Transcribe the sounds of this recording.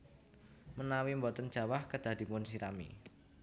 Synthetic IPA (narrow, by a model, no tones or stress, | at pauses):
mənawimbɔt̪ənd͡ʒ̥a̤wahkəd̪̥a̤d̥̪i̤mʊnsiɾamḭ